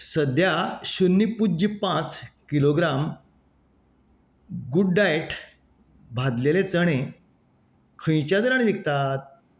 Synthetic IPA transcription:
səd̪ʱjaɕunːipud͡ʑipãt͡skiloɡɾam | ɡuɖːajʈ | bʱad̪lelet͡səɽ̃e | kʰə̃j̃t͡ɕad̪əɾaɽ̃iʋik̚t̪at̪̚

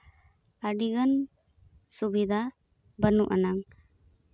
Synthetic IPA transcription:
əɖiɡən | subid̪ʱa | bənuʔanaŋ

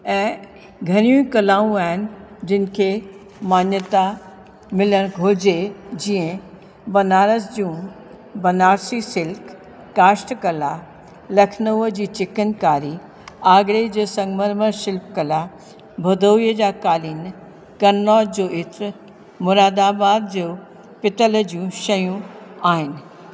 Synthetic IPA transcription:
ɛ̃ː | ɡʱɐɾ̃ijũĩkɐlaːũaːɦɪnɪ̆d͡ʑɪn̆kʰe | maːnjət̪a | mɪləɽ̃ɡʱoːd͡ʑed͡ʑĩːə̃ | bɐnaːɾəsd͡ʑũː | bɐnaːɾsisɪlkː | aːsʈkɐla | lɐkʰnəʋəd͡ʑiːt͡ɕɪkənkaːɾi | aːɡɾed͡ʑesɐ̃ŋɡməɾməʃɪlpkɐla | bʱɐd̪ʱoːʋijəd͡ʑakaːliːn | kɐnnɔːd̪d͡ʑoːʔɪt̪ | mʊɾaːd̪abaːd̪̚d͡ʑoː | pɪt̪ələd͡ʑiũʃɐjũaːɦɪnɪ̆

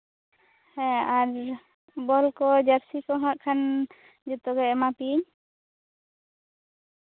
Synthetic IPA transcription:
hɛ̃aɾ | bɔlkɔd͡ʒaɾsikɔɦãʔ̚kʰan | d͡ʒɔt̪ɔɡɛɛmapiɲ

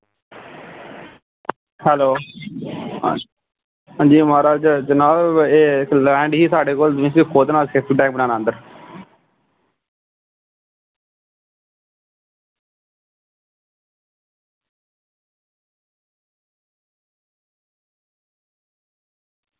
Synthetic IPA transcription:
hɛloː | ɦãːd͡ʒiːmaːɾaːd͡ʒəd͡ʒənaːleːɪklɛ̃ːɳɖɦiːsaːɖeːkoːld̪ɪ̃siːkːoːd̪naːkʰeːt̪iːʈɛːk̚bənaːnãːnd̪əɾ

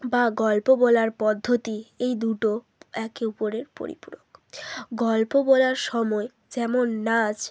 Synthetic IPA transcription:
baɡɔlpobɔlaɾpɔd̪ʱːot̪iejd̪uʈo | ɛkeupoɾeɾpo̰ɾḭpuɾokɡɔlpobɔlaɾʃɔmɔe | d͡ʑɛmonːad͡ʑ

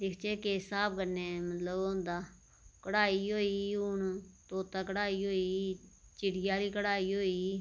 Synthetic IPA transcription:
d̪ɪkʰt͡ʃeːkeːsaːbkənːeːmət̪ləbɦõːnd̪aː | kəɽaːiːɦoːiːʊɳt̪oːt̪aːkəɽaːiːɦoːiː | t͡ʃɪɽɪjaːd̪iːkəɽaːiːɦoːiː

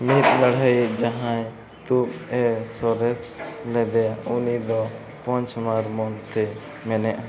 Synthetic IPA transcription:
mit̪̚laɽ̤ajid͡ʒaɦãj | t̪upɛsɔɾɛslɛb̪ɛjaʔunid̪ɔ | pɔ̃ɲt͡ʃmaɾmɔnt̪ɛ | mɛnɛʔa

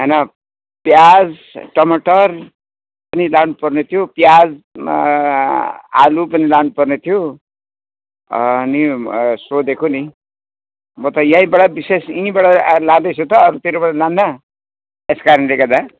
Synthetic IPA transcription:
ɦʌjnʌ | pjad͡z | ʈʌmʌʈʌr | pʌnilanupʌrnet̪ʰijopjad͡z | a̰lupʌnilanupʌrnet̪ʰjo | ʌ̰nisod̪ekʰoni | mʌt̪ʌjãĩbʌɽabisesĩbʌɽalãd̪ʌt͡sʰot̪ʌːɾut̪iɾobʌɽalãnːʌ | eskaɾʌnleɡʌd̪a

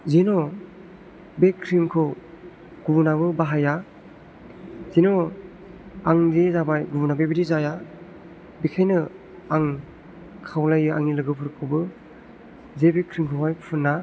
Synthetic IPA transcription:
zenɔ | bekʰːɾimkʰɯ | ɡ̥ubunaβɯbaɦaja | zenɔ | aŋdezabajɡubunabajbidizaja | bikʰajnɯ | aŋ | kʰawlajɯa̰ŋnilɯɡɯpʰɯɾkʰɯbɯ | zebekʰɾimkʰɯwɦajpʰɯnːa

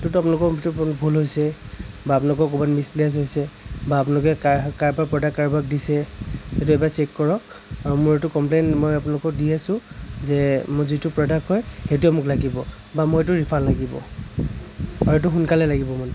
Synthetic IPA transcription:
tutʊapʊnalʊkɔtubʱulɦojsɛ | baːpʊnalʊkɔkobanmisples̬ɦojsɛbaːpʊnalʊkɛkakaɹbapɹɔdakːaɹbak̚disɛetʊɛbasɛkkɔɹɔ | amʊɹetʊkɔmplenmɔjapʊnalʊkɔk̚dijɛsʊ̃zɛmʊzitʊpɹɔdakɦɔjxetuɛmʊklaɡibɔ | bamʊetʊɹipʰanlaɡibɔ̰ | aɹetʊxʊnkalɛlaɡibɔman

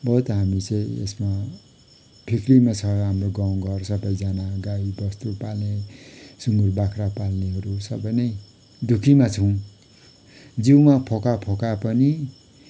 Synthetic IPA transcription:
bʌɦut̪ɦamit͡sʌ̃ĩḛsma | pʰiklimat͡sʰʌɦamroɡaw̃ɡʌrsʌbʌjd͡zanaɡaibʌst̪upalnesund̪urbakʰɾapalneɦʌɾusʌbʌjnʌj | d̪ʱukʰimat͡sʰʌw̃ | d͡ziwmapʰokapʰokapʌni

